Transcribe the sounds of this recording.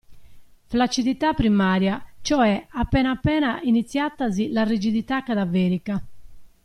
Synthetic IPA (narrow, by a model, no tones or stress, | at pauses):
flat͡ʃːiðit̪apːɾimaːɾjat͡ʃɔɛapːɛnaːpːɛːnaʔinit̪sːjat̪ːazilarid͡ʒiðit̪akaðavɛːɾika